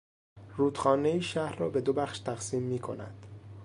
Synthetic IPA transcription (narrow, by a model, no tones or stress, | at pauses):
ruːd̪xɒːneiːʃæhɾrɒːbe̞d̪obæxʃt̪ʰæɣsiːmːiːkʰo̞̰næ̰d̪̥